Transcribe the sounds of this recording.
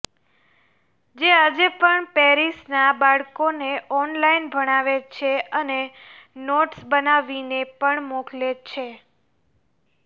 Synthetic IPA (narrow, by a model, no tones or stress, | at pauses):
d͡ʒead͡ʒepəɳpɛɾisnabaɭkoneʔɔnlainbʱəɽ̃aʋet͡ʃʰeənenoʈsbənaʋinepəɳmoklet͡ʃʰe